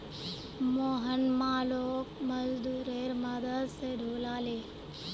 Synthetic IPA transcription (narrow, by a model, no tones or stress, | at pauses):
moːɦənmãːloːkməzd̪uːɾeːɾmad̪əd̪seɖʱoːlaːleː